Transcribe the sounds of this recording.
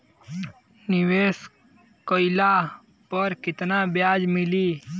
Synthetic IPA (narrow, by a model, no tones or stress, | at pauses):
nɪʋeːs | koɪla | pəɾkɪt̪nabjaːd͡ʒmɪliː